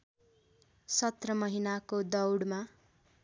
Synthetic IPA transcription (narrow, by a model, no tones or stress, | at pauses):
sʌt̪rʌmʌɦinakod̪ʌwɽma